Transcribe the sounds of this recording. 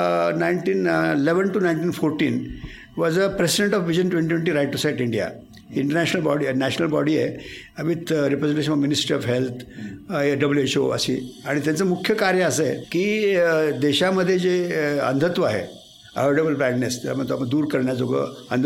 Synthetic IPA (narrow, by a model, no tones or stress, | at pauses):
naiɳʈiːnileʋənʈunajɳʈiːnfoɾʈiːn | ʋɔd͡zəpɾesiɖeɳʈɔfʋid͡ʑənʈʋẽɳiʋeɳʈiɾajʈʈusajʈiɳɖija̰ | iɳʈəɾnæɕnəlbɔɽinæɕənəlbɔɽiḛ | əʋit̪ɾipɾed͡zeɳʈeɕənɔʋminisʈɾiɔfɦelt̪ʰjeɖəbljueɕo̰ə̰sḭːaɽ̃it̪jat͡səmukʰjəkaɾjəəsekiːd̪eɕaməd̪ʱːjed͡zeə̰nd̪ʱət̪ʋəaɦḛ | ə̰ʋeɽebəlpɾajɖnest̪a̰laməɡt̪oapəɳd̪uːɾkəɾɳjad͡zoɡʱə̰ːənd̪ʱ